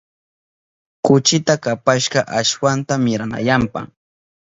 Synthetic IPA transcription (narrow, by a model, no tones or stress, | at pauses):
kʊt͡ʃɪt̪akapaʃɢɑʔaʃwant̪amɪɾana̰jampa̰ŋ